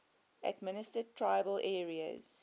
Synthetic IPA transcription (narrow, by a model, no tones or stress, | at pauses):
ʔæ̰dmɪnɪstətʰɹaɪbəlʔɛːɹiə̰z̥